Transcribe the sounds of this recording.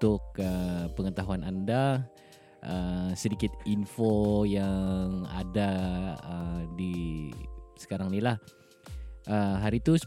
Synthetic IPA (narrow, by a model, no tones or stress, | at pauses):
t̪ʊkəpəŋət̪aɦuananda | ʔəsədikɪt̪̚infojaŋa̰daədi | sə̥kaɾaŋnilah | ʔəɦaɾiːt̪u